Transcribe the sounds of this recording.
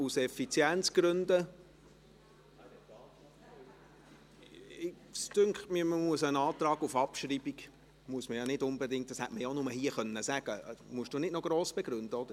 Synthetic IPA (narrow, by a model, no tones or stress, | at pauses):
usɛfit͡sjɛnt͡sɡ̥ɾʏnd̪ə | ɪ | stʏŋkχtmiməmuəsənɑːt̪ɾɑːɡufɑpʃɾibiɡ | muəsməjɑnɪdʊnbɛdɪŋt̚d̥ɑshɛtməjɑonʊməhiəχœnːəsæɡ̥əmuəʃd̥unɪdnɔɡ̥ɾoːsb̥eɡ̥ɾʉnd̪əɔd̥̪əɾ